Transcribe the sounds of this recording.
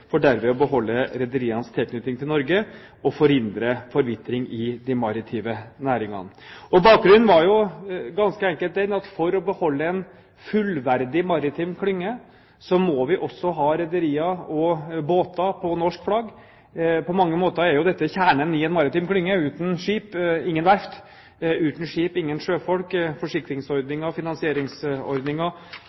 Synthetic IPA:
fɔɖæɾmɛɔbəɦɔlːəɾɛd̪əɾiːɑnst̪ʰɪlkʰnʏt̪ɪŋt̪ʰɪlnɔɾɡə | ɔfɔɾhɪnd̪ɾəfɔɾʋɪt̪ɾɪŋɪd̪ɪmɑɾɪt̪ʰiːʋənæːɾɪŋɑ̰n | ɔbɑːk̚ɡɾʉnnʋɑɾjʊɡɑnskəɛŋkəlt̪d̪ɛnɑt̪fɔɾɔbəhɔlːəɛn | fʉlʋæɾd̪ɪmɑɾɪt̪ʰɪmkʰlʏŋːə | sɔmɔʋɪʔɔsɔɦɑːɾɛd̪əɾiːɑɔboːt̪ɑpʰɔnɔʂkflɑɡ | pʰɔmɑŋːəmoːt̪əɾæɾjʊd̪ɛt̪ːəçæːɳənɪɛnmɑɾɪt̪ɪmkʰlʏŋːəʉːt̪n̩ʂiːpɪŋːənʋæɾft̪ | ʉːt̪n̩ʂiːpɪŋːənʂøːfɔlkfɔʂɪkɾɪŋsɔɾd̪nɪŋɑfɪnɑnsɪeːɾɪŋsɔ̰ɾd̪nɪŋɑ

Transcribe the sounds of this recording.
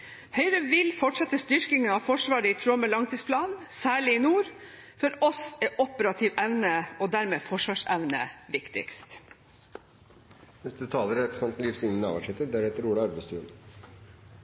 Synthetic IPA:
hœʏɾəʋɪlfɔʈʂɛt̪əst̪ʏɾkɪŋəɑfɔʂʋɑːɾəɪt̪ʰɾoːməlɑŋt̪ʰiːspʰlɑːnsæːɭɪɪnuːɾ | fɔɾɔsɛʔɔpəɾɑt̪ʰɪʋæʋnəɔd̪æɾmeːfɔʂʋɑːʂɛʋnə̰ʋɪkt̪ɪ̰kst̪ | nɛst̪ət̪ʰɑːləɾæpsɑmt̪n̩liːfsɪnɪnɑ̰ʋæʂɛt̪ːəd̪æɾhɛːt̪əɾuːlɑɑɾbæst̪ʰʉ̰ːn

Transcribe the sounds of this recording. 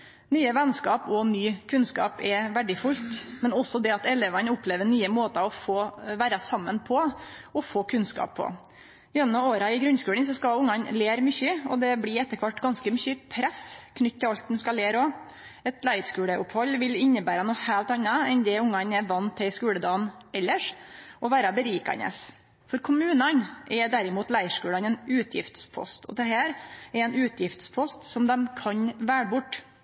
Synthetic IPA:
nyːəʋɛnskɑːpɔnyːkʰʉnskɑ̰ːpɛʋæɖɪfʊlt̪mɛnɔsːɔd̪ɛɑt̪ɛleːʋɑnəʊpleːʋənyːəmoːt̪ɑɔfoːʋæːɾɑsɑmːənpʰɔɔfoːkʰʉnskɑ̰ːpʰːɔ̰ | ɛnnɑoːɾɑɪɡɾʉnskʉːlənsɔskɑʊŋːɑnleːɾmʏçəɔd̪ɛblɪɛt̪ːəɾkʰʋɑʈːɡɑnskəmʏçːəpʰɾɛskʰnʏt̪ːɪlɑlt̪̚d̪ɛn̩skɑleːɾɔ | ɛt̪ʰlæɪɾʂkʉːɽəʔʊphɔlːʋɪlɪnːəbæːɾɑnuːhæːlt̪ɑnːɑɛnd̪ɛʊŋːɑnɛʋɑnt̪ʰːɛskʉːləd̪ɑːnɛlːəʂʔɔʋæːɾɑbəɾiːkɑ̰nə̰s | fɔɾkʰʊmʉːnɑnʔɛɖ̪æɾɪmuːt̪læɪəʂkʉːlɑnɛnʉːt̪ʰjɪ̰ft̪spʰɔ̰st̪ʰɔ̰d̪ɛɦæːɾɛɾɛnʉːt̪ʰjɪft̪spʰɔst̪sɔmd̪ɛmkʰɑɲʋæːɽbʊʈː

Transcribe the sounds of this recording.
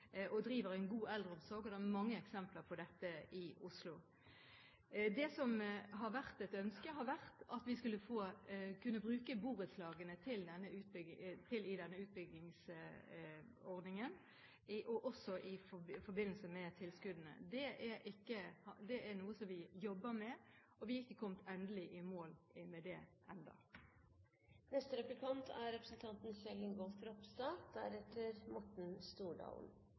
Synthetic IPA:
ɔd̪ɾiːʋəʁæɪnɡuːɛld̪ʁəɔmsɔʁɡɔd̪ɛɛmɑŋːəɛksɛmpləɾpʰɔd̪ɛt̪ːəɪʊslʊ | d̪ɛsɔmɦɑʁʋæʁt̪ɛt̪œnskəɦɑɾʋæʁt̪ɑt̪ʋɪskʉlːəfoːkʰʉnːəbʁʉːkəbuːʁət̪slɑːɡənət̪ʰɪld̪ɛnːəʉːt̪̚bʏt̪ʰɪlɪd̪ɛnːəʉːt̪̚bʏɡlɪŋs | ɔʁd̪nɪŋən | ʔɔʔɔsɔʔɪfɔɾbɪnːl̩səmɛt̪ʰɪlskʉd̪ənə̰d̪ɛʔɛɾʔɪkːəhɑd̪ɛʔæɾnuːəsɔmʋɪjɔbːəmɛ | ʔɔʋɪɪkːəkʰɔmt̪ʰɛnd̪əlɪʔɪmoːlɪmɛd̪ɛʔɛnd̪ɑ̰ | nɛst̪əɾɛplɪkʰɑnt̪ʰæɾɾɛpɾəsənt̪ʰɑnt̪n̩sɛləŋɡɔlfɾɔpst̪ɑd̪̥æɾɛt̪ʰːəɾmɔʈɳ̩st̪uːɖɑ̰l̰n

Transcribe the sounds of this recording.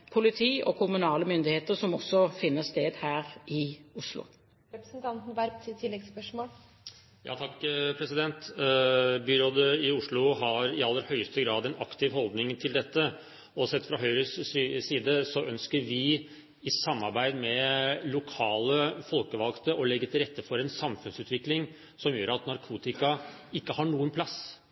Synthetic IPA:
pʰʊlɪt̪ʰiːʔɔkʰʊmʉnɑːləmʏnd̪ɪheːt̪əɾsɔmɔsːɔfɪnːəst̪eːd̪hæːɾɪʊʂlʊ̰ | ɾɛpɾəsnt̪ʰɑnt̪n̩ʋæɾsɪt̪ʰːɪlːɛɡspœʂmoːl | jɑ̰ːt̪ʰɑkːpʰɾɛsɪd̪ɛnt̪ | byːɾoːd̪əɪʊʂlʊɦɑɾɪɑlːəɾhœʏst̪əɡɾɑːd̪ɛnɑkt̪ʰɪʋhɔld̪nɪŋt̪ʰɪld̪ɛt̪ːə | ɔsɛt̪ːfɾɑɦœʏɾəssiːd̪əsɔʔœnskəɾʋɪ | ɪsɑmːɑɾbæɪd̪mɛlʊkʰɑːləfɔlkəʋɑlkt̪əʔɔlɛɡːət̪ʰɪlɾɛt̪ːəfɔɾɛnsɑmfʉnsʉːt̪ʋɪklɪŋ | sɔmjøːɾɑt̪nɑɾkʰuːt̪ɪkɑ | ɪkːəhɑɳuːənpʰlɑsː

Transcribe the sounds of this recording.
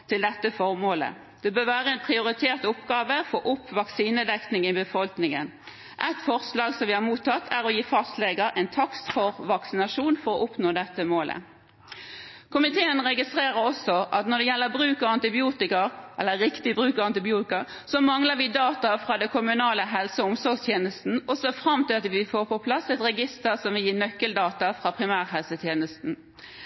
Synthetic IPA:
t̪ʰɪld̪ɛt̪ːəfɔʁmoːlə̰ | d̪̥ɛbøːʋæːʁəɛɪnpʰʁɪʊɾɪt̪ʰeːʁt̪ʊpɡɑːʋəfɔʔʊpːʋɑksiːnəd̪ɛknɪŋɪbəfɔlknɪŋən | ʔɛt̪fɔʁslɑːɡsɔmʋɪhɑmuːt̪ʰːɑt̪ʰːæʁɔjiːfɑst̪leɡəɾʔɛɪnt̪ʰɑkst̪fɔʁʋɑksɪnɑʃuːnfɔʁɔʔʊpnoːd̪ɛt̪ːəmoːlʔə̰ | kʰʊmɪt̪ʰeːənʁɛɡɪst̪ʁeːʁəɾɔsɔʔɑt̪nɔɖ̪ɛjɛlːəbɾʉːkɔɑnt̪ɪbɪuːt̪ɪkəɾʔɛlːəʁɪkt̪ɪbʁʉːkɔɑnt̪ɪbɪuːt̪ɪkəɾ | sɔmɑŋləɾʋɪd̪ɑːt̪ɑfʁɑːd̪ɛkʰʊmʉnɑːləɦɛlsəʊmsɔɾɡst̪ʰjeːnəst̪n̩ɔsɔfɾɑmːt̪ɪlɑt̪ʋɪfoːʁpɔpʰlɑsɛt̪ʁɛɡɪst̪əʁsɔmʋɪljiːnœkːəld̪ɑːt̪ɑfɾɑːpʰʁɪmæːʁɦɛlsət̪ʰjeːnəst̪n̩

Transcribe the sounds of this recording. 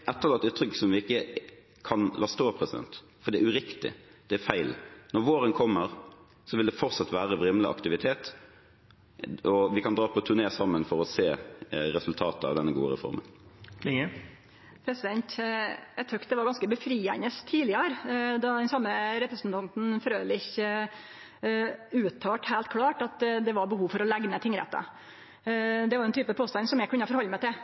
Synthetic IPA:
ʔɛt̪ːəʁlɑt̪ːʉːt̪ɾʁʏksɔmʋɪɪkːə | kʰɑnlɑːst̪oːpʰɾɛsɪd̪ɛ̰nt̪ | fɔʁd̪ɛːʉɾɪkt̪ɪ̰d̪̥ɛæɾfæɪlnɔɾʋoːɾənkʰɔmːəʁ | sɔʋɪld̪ɛfɔɾt̪sɑt̪ːʋæːʁəʋʁɪmlɪʔɑ̰kt̪ɪʋɪt̪ʰeːt̪ | ɔʋɪkɑnd̪ɾɑːpʰɔt̪ʰʉneːsɑmːənfɔɾɔseːɾɛsʉlt̪ʰɑːt̪əɑ̰ʋd̪ɛnːəɡṵːə̰ɾɛ̰fɔ̰ɾmə̰n | pʰɾɛsɪd̪ɛnt̪ɛt̪ʰœkt̪d̪ɛʋɑɾɡɑnskəbəfɾiːæ̰nəst̪ʰiːlɪəɾd̪ɑd̪ɛnsɑmːəɾɛpɾəsn̩t̪ʰɑnt̪n̩fɔɾøːlɪçə | ʉːt̪ʰːɑːʈhæɪlt̪̚kʰlɑːʈɑt̪d̪ɛʋɑɾbəhuːʋfɔɾɔlæɡnət̪ʰɪŋːɾɛ̰t̪ːɑ̰ | d̪ɛʋɑɾɛnt̪ʰyːpəpʰoːst̪ɑnsɔmjæɡkʉnːəfɔɾhɔlːəmæɪt̪ɪl

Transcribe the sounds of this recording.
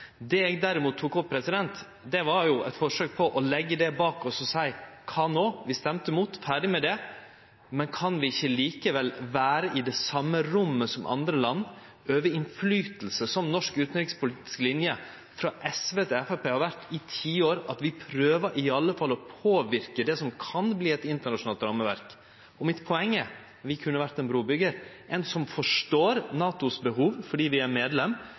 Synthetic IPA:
d̪ɛɛːɡd̪æɾɪmuːt̪ʰːuːkɔppʰːɾɛsɪd̪ɛnt̪ | d̪ɛʋɑɾjʊʔɛt̪fɔʂøːk̚pʰɔʔɔlɛɡːəd̪ɛbɑːkɔsɔsæɪkʰɑːnoːʋɪst̪ɛmt̪əɪmuːt̪fæːɖɪmɛd̪ɛ | mɛnkʰɑnʋɪɪçːəliːkəʋɛlʋæːɾəʔɪd̪ɛsɑmːəɾʊmːəsɔmʔɑ̰nd̪ɾəlɑnː | øːʋəɪnflyːt̪l̩səsɔmnɔʂkʉːt̪nɾɪkspʊliːt̪ɪ̥sklɪnjə | fɾɑːʔɛsʋeːt̪ʰɪɛfæpeːhɑɾʋæɾt̪ɪt̪ʰiːoːɾɑt̪ʋɪpʰɾøːʋəɾʔɪɑlːəfɑlːɔpʰoːʋɪɾkəd̪ɛsɔmkʰɑnbliːɛt̪ɪnt̪əɳɑʂʊnɑːlt̪ɾɑmːəʋæ̰ɾk | ɔmɪt̪pʰɔɛŋːə | ʋɪkʰʉnːəʋæɾt̪ɛnbɾuːbʏɡəɾʔɛnsɔmfɔʂʈoːɾnɑːt̪ʊsbəɦuːʋfɔɖiːʋɪæɾmeːd̪lɛmː

